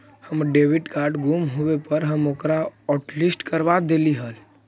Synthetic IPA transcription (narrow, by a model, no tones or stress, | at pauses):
həmɖeʋɪɖkaɾɖɡumɦoʋepəɾɦəmoːkɾaɔːʈlisʈkəɾʋad̪eliɦəl